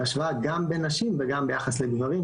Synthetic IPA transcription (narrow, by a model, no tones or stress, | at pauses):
aʃvaɡambenaʃimveɡambe̞jaχasleɡvaʁim